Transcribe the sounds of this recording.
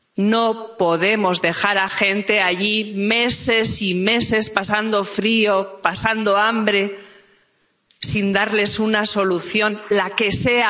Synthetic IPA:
no̞po̞ðe̞mo̞zðe̞xaɾaxẽ̞nt̪e̞aʝime̞se̞sime̞se̞spasand̪o̞fɾio̞pasand̪o̞ambɾe̞ | sind̪aɾle̞sunaso̞luθjo̞nlake̞sea

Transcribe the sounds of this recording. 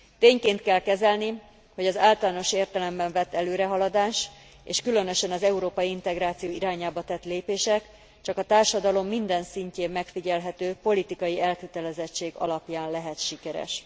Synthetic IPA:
t̪eːɲkeːnt̪kɛlkɛzɛlni | ho̞ɟɒzaːlt̪ɒlaːno̞ʃeːrt̪ɛlɛmbɛɱvɛt̪ːɛløːɾɛɦɒlɒd̪aːʃ | ḛːʃkylø̞nø̞ʃɛnɒzɛuɾoːpɒjiint̪ɛɡɾaːt̪sijoːiɾaːɲaːbɒt̪ɛt̪leːpeːʃɛk | t͡ʃɒkɒt̪aːrʃɒd̪ɒlo̞mːind̪ɛnsiɲceːmːɛkfiɟɛlɦɛt̪øːpo̞lit̪ikɒjiɛlkøt̪ɛlɛzɛt͡ʃːeːɡɒ̰lɒpjaːnlɛɦɛt̪ʃikɛɾɛ̰ʃ

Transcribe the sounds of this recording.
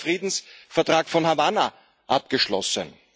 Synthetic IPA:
fʁ̥iːdn̩sfɛɐtʁ̥aːkfɔnhavana | ʔap̚ɡ̥əʃlɔ̰sə̰n

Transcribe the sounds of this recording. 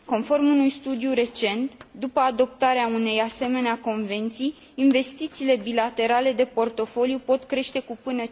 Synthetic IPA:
ko̞nfo̞rmunujst̪ud̪ijuɾe̞t͡ʃe̞nt̪d̪upəad̪o̞p̚t̪aɾeaune̞jase̞me̞neako̞nve̞nt̪sijː | nve̞st̪it̪siːle̞bilat̪e̞ɾale̞d̪e̞po̞rt̪o̞fo̞lijupo̞t̪kɾe̞ʃt̪e̞kupɨnə

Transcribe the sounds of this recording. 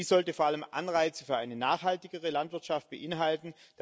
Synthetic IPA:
iːzɔltəfoːɐaləmʔa̰nʁaɪt͡sə̥fyːɐʔa̰ɪnənaːχhaltɪɡəʁəlantv̥ɪɐtʃaft̚b̥əʔɪnɦaltn̩ | d̥

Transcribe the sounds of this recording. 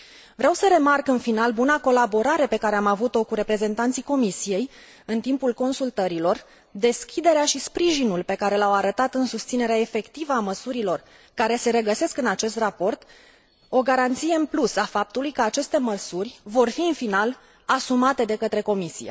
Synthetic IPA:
vɾeawsəɾe̞markɨnfinalbunako̞labo̞ɾaɾe̞pe̞kaɾe̞amavut̪o̞kuɾe̞pɾe̞ze̞nt̪ant̪siko̞misije̞j | ɨnt̪impulko̞nsult̪əɾilo̞r | d̪e̞skʲid̪e̞ɾeaʃispɾiʒinulpe̞kaɾelawaɾət̪at̪ɨnsust̪sine̞ɾeaefe̞kt̪ivəaməsuɾilo̞r | kaɾe̞se̞ɾe̞ɡəse̞skɨnat͡ʃe̞st̪rapo̞rt̪ | o̞ɡaɾant̪sije̞ɨnplusafap̚t̪ulujkəat͡ʃe̞st̪e̞məsurʲvo̞rfiɨnfinal | asumat̪e̞d̪e̞kət̪ɾe̞ko̞misḭḛ

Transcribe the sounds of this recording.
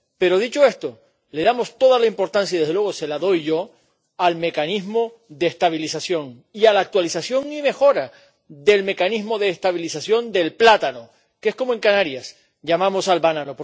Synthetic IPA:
pe̞ɾo̞ðit͡ʃoe̞st̪o̞ | le̞ðamo̞st̪o̞ðalaimpo̞ɾt̪ans̬jaiððelweose̞laðo̞jʝo̞ | alme̞kanizmo̞ | ðest̪aβ̞ilisasjo̞ŋ | ialaːk̚t̪walisasjo̞ŋime̞xo̞ɾa | ðe̞lme̞kanizmo̞ðe̞ːst̪aβilisasjo̞nd̪e̞lplat̪ano̞ | ke̞sko̞moe̞ŋkanaɾjas | ɟ͡ʝamãmo̞salβanano̞p

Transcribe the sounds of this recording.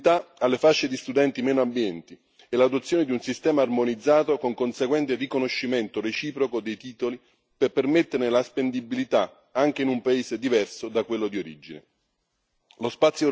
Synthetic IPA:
t̪aalːefaʃːed̪ist̪ud̪ɛnt̪imɛːnoambjɛnt̪i | ɛlad̪ot̪sːjoːned̪iunsist̪ɛːmaːrmonid̪zːaːt̪okoŋkonseɡwɛnt̪erikonoʃːiment̪oret͡ʃiːpɾokod̪ejt̪iːt̪oli | pepːermet̪ːeɾnelaspend̪ibilit̪a | aŋk̟einumpaeːsed̪ivɛrsod̪akwelːod̪ioɾid͡ʒinḛ | lospat̪sːjo

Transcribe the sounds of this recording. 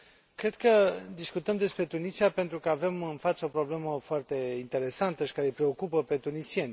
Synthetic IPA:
kɾe̞d̪kəd̪iskut̪əmd̪e̞spɾe̞t̪unisiape̞nt̪ɾukəave̞mɨnfat̪səo̞pɾo̞ble̞məfoart̪e̞int̪e̞ɾe̞sant̪əʃi̥kaɾepɾe̞o̞kupəpe̞t̪unisienʲ

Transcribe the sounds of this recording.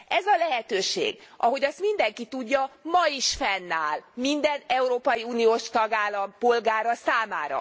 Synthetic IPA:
ʔɛzɒlɛɦɛt̪øːʃḛːɡʔɒ̰ɦo̞ɟɒst̪mind̪ɛŋkit̪uɟːɒmɒiʃfɛnːaːlmind̪ɛnɛuɾoːpɒjiuːnijoːʃt̪ɒɡaːlːɒmpo̞lɡaːɾɒsaːmaːɾɒ̰

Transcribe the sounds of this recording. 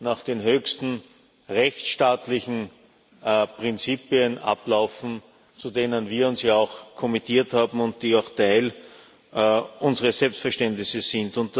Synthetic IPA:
naːχd̥eːnɦøːçstn̩ | ʁɛçt͡sʃtaːtlɪçn̩ | pʁɪnt͡siːpiənʔa̰plaʊfn̩ | t͡sudeːnənviːɐʊnsjaːaʊxkʰɔmitiːɐthaːbm̩ʊnt̚d̥iːaʊxtʰaɪl | ʔʊnzəʁəsɛlpstfɛɐʃtɛntnɪsəsɪ̃ndʊnt̚d̥

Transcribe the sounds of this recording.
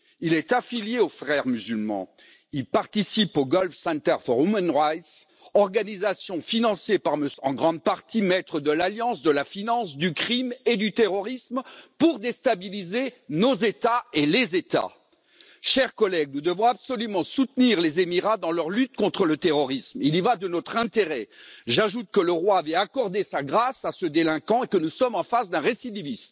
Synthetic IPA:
ilɛt̪afiljeofχɛʁmyzylmɑ̰̃ | ilpaʁt̪isipoɡɔlfsɛ̃nt̪ɛʁfɔʁumanʁajt̪s | ɔʁɡanizasjɔ̃finɑ̃sjepaʁməɑ̰̃ɡʁɑ̃d̪̚paʁt̪imɛt̪χəd̪əlaljɑ̃sd̪əlafinɑ̃sd̪ykχimed̪yt̪eʁɔʁismpuʁd̪est̪abilizenozet̪aelezet̪a̰ | ʃɛʁkɔlɛɡ̚nud̪əvɔ̃absɔlymɑ̃sut̪niʁlezemiʁad̪ɑ̃lœʁlyt̪̚kɔ̃t̪χələt̪eʁɔʁismilivad̪ənɔt̪χɛ̃t̪eʁɛʒaʒut̪̚kələʁwaːvɛakɔʁd̪esaɡʁasasəd̪elɛ̃kɑ̃ekənusɔmɑ̃fasd̪ɛ̃ʁesid̪ivism

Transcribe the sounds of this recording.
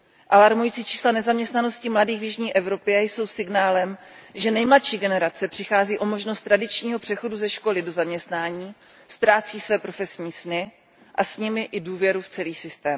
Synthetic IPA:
ʔalaɾmujit͡siːt͡ʃi̥ːslanɛzamɲɛst̪nano̞scɪmladiːɣvjɪʒɲiːʔɛvɾo̞pɪajso̞wsɪɡnaːlɛmʒɛnɛjmlat̪ʃiːɡɛnɛɾat͡sɛpr̝̥ɪxaːziːʔo̞mo̞ʒno̞st̪ːɾadɪt͡ʃɲiːɦo̞pr̥ɛxo̞duzɛʃko̞lɪdo̞zamɲɛst̪naːɲiː | st̪ɾaːt͡siːsvɛːpɾo̞fɛsɲiːsnɪ | ʔasɲɪmɪʔɪduːvjɛɾuft͡sɛliːsɪst̪ɛːm

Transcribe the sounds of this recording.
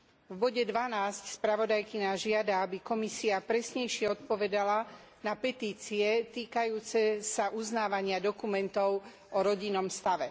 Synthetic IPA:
vbɔɟɛd̪ʋanaːscspɾaʋɔd̪ajkiɲaʒɪad̪aabikɔmisiapɾɛsɲɛjʃɪɛɔt̪pɔʋɛd̪ala | napɛt̪iːt͡siɛt̪iːkajuːt͡sɛsaʔuznaːʋaɲɪad̪ɔkumɛnt̪ɔʊ | ʔɔɾɔɟinːɔmst̪aʋɛ

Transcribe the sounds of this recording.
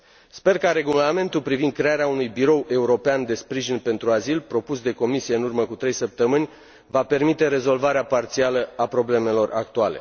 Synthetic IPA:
spe̞rkaɾe̞ɡulame̞nt̪ulpɾivind̪̚kɾe̞aɾeaunujbiɾo̞wʔe̞uɾo̞peand̪e̞spɾiʒinpe̞nt̪ɾuazilpɾo̞pusd̪e̞ko̞misije̞ɨnurməkut̪ɾe̞jsəp̚t̪əmɨnʲ | vape̞rmit̪e̞ɾe̞zo̞lvaɾeapart̪sialəapɾo̞ble̞me̞lo̞ra̰k̚t̪uale̞̰

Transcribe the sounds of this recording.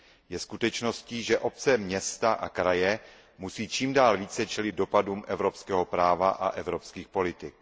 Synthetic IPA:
jɛskut̪ɛt͡ʃno̞sciːʒɛʔo̞p̚t͡sɛmɲɛst̪aʔakɾajɛ | musiːt͡ʃiːmdaːlviːt͡sɛt͡ʃɛlɪd̪̚do̞paduːmʔɛvɾo̞pskɛːɦo̞pɾaːvaʔa̰ʔɛvɾo̞pskiːxpo̞lɪt̪ɪk̚

